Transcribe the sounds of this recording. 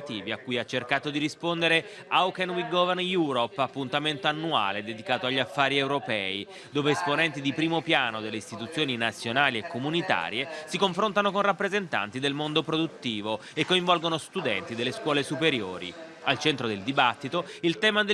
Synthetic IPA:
t̪iːviakːujat͡ʃːerkaːt̪od̪iɾispond̪eɾe | awkenwiɡɔvɛnjuːɾopːapːunt̪ament̪oanːua̰ːled̪ed̪ikaːt̪oaʎːafːaːɾiewɾopɛːi | d̪oːveːsponɛnt̪id̪ipɾiːmopjaːnod̪elːeist̪it̪ut̪sːjoːninat̪sːjonaːliekːomunit̪a̰ːɾjesikoɱfɾont̪anokonrapːɾezent̪a̰nt̪id̪elmond̪opɾod̪ut̪ːiːvo | ekːoiɱvɔlɡonost̪ud̪ɛ̰nt̪id̪elːeskwɔːlesupeɾjo̰ːɾḭ | alt͡ʃɛnt̪ɾod̪eld̪ibat̪ːit̪oilt̪ɛːmad̪e

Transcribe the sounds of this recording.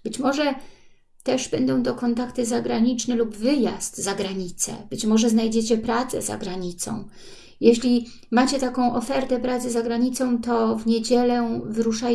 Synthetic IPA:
b̥ɘt͡ɕmɔʐɛ | t̪ɛʐbɛnd̪ɔ̃w̃d̪ɔkɔnt̪akt̪ɘzaɡɾaɲit͡ʂnɛlubvɘjast̪zaɡɾaɲit̪sɛ̰bɘt͡ɕmɔʐɛznajd͡ʑet͡ɕɛpɾat̪sɛ̰za̰ɡɾaɲit̪sɔ̰̃w̃ | jeɕlʲi | mat͡ɕɛt̪akɔ̃w̃ʔɔfɛɾt̪ɛpɾat̪sɘzaɡɾaɲit̪sɔ̃w̃t̪ɔvɲed͡ʑɛlɛvɾuʂa

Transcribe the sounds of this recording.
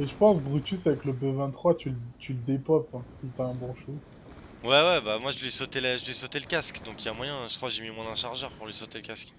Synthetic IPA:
eʒəpɑ̃sbʁyt̪ʲysavɛkləbøvɛ̃t̪ːχwat̪ylt̪ʰyləd̪epɔpɛ̃sit̪aɛ̃bɔ̃ʃo | wɛwɛbamwaʒəlɥisot̪eləʒəlɥisot̪eləkʲaskd̪ɔ̃kilamwajɛ̃ʒə̥kχwaʒemimwɛ̃d̪ɛ̃ʃaʁʒœʁpuʁlɥisot̪eləkʲask

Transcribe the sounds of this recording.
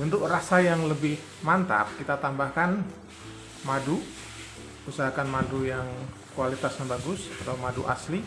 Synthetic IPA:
unt̪ʊkrasajaŋləbɪh | mant̪a̰p̚kit̪at̪ambahkan | madu | usaɦakanmadujaŋ | kualit̪asanbaɡʊsat̪aumaduʔa̰sli

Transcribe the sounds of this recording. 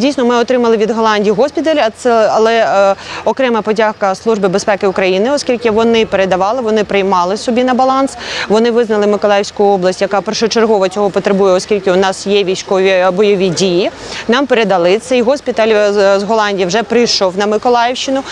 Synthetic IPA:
dʲijsnɔmɪɔt̪ɾɪmɐlˠɪʋʲid̪ɦɔlˠɑnʲdʲijɦɔspʲit̪ɐlʲɛɐlˠɛɔkɾɛmɐpɔdʲahkɐslˠuʒbɪbespɛkɪʊkɾɐjinɪɔskʲilʲkɪʋɔnɪpeɾed̪ɐʋɑlˠɪʋɔnɪpɾɪjmɑlˠɪsɔbʲinɐbɐlˠɑnsʋɔnɪʋɪznɐlˠɪmɪkɔlˠɑjɪwsʲkʊɔblˠɐsʲtʲjɐkɑpɛrʃʊt͡ʃerɦɔʋɔt͡sʲɔɦɔpɔt̪ɾebujɛɔskʲilʲkɪʊnɑsjɛʋʲijsʲkɔʋʲibɔjɔʋʲidʲiji | nɑmpeɾed̪ɐlˠɪt̪sʲɛjɦɔspʲit̪ɐlʲzɦɔlˠɑnʲdʲijiwʒɛpɾɪjʃɔwnɐmɪkɔlˠɑjɪwʃt͡ʃɪnʊ

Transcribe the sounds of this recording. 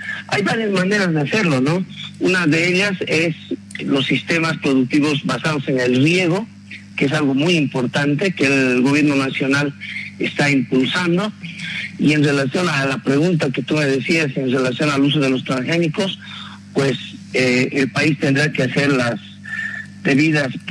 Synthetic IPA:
ajβaɾjazmane̞ɾazðease̞ɾlo̞nounaðe̞eʎase̞slo̞sːist̪e̞maspɾo̞ðuk̚t̪iβo̞zbasað̞o̞se̞ne̞lrje̞ɣ̞o̞ | kees̬alɣo̞mujimpo̞ɾt̪ant̪e̞keːlɣoβje̞ɾno̞nasjo̞nalest̪aimpulsand̪o̞ | ie̞nre̞lasjo̞nalapɾe̞ɣunt̪̬ake̞t̪ume̞ðe̞siase̞nre̞lasjo̞nalus̬o̞ð̞e̞lo̞st̪ɾanxe̞niko̞s | pwe̞seelpaist̪e̞nd̪ɾake̞ase̞ɾlas | d̪e̞βiðas

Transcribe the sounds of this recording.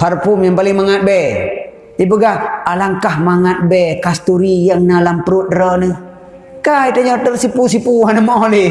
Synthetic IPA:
parpʊmjaŋpalɪŋmaŋat̪̚bɛ | ibəɡahalaŋkahmaŋat̪̚bɛkast̪uɾijaŋnalampəɾut̪̚dəɾɔnə | kajt̪aɲɔt̪ərsipusipuanəmaoli

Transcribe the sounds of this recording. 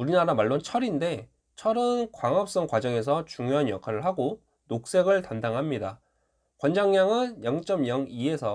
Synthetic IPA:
uɾinaɾamaɭːont͡ɕʰʌɾinde̞ | t͡ɕʰʌɾɯnkwaŋɦʌp̚s͈ʌŋkwad͡ʑʌŋe̞s̬ʰʌt͡ɕuŋjoɦanjʌkʰaɾɯɭɦaɡo | nok̚s͈e̞ɡɯɭtandaŋɦamɲida | kwʌnd͡ʑaŋɲaŋɯnjʌŋt͡ɕ͈ʌmjʌŋie̞sʰʌ

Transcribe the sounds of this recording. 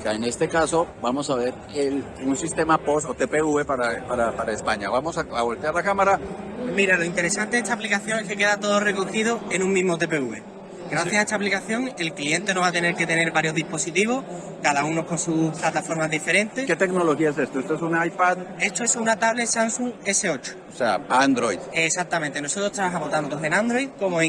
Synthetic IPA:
kaene̞st̪e̞kasobamo̞saβe̞ɾ | el | unsist̪e̞maposot̪epeuβepaɾapaɾapaɾaespaɲaβamosaaβolt̪eaɾðakamaɾamiɾaloint̪e̞ɾe̞sant̪eest̪aplikaθjo̞ŋe̞ske̞ke̞ðat̪o̞ðore̞ko̞xið̞o̞e̞nũŋmĩɦmot̪e̞pe̞uβe̞ | ɡɾaθjasaet̪aplikaθjo̞ŋe̞lklie̞nt̪e̞noβat̪e̞ne̞ɾke̞t̪e̞ne̞ɾβaɾjo̞ɦðipo̞sit̪iβ̞o̞h | kaðaunoko̞nsuplat̪afo̞ɾmaɦðife̞ɾe̞nt̪e̞sket̪e̞knolo̞xiaesest̪oest̪oesunaajpaðe̞st̪oe̞sunat̪aβle̞sansuŋe̞se̞o̞t͡ʃo̥osea̰and̪ɾojðesak̚t̪amẽ̞nt̪e̞no̞so̞t̪ɾot̪ɾaβaxamot̪ant̪ose̞nand̪ɾo̞jðko̞moe

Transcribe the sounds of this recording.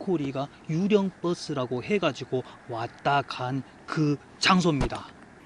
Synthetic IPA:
kʰoɾiɡa | juɾjʌŋp͈ʌs͈ɯɾaɡoɦe̞ɡad͡ʑiɡo | wat̚t͈aɡan | kɯ | t͡ɕaŋsʰomɲida

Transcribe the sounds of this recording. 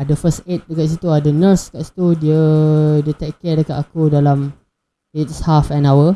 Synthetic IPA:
adəfəstet̪̚dəkaʔs̬it̪uadənəsə̥kaʔsi̥t̪udiədiət̪ɛk̚kɛdəkat̪akudalam | et̪shafɛ̃nawə

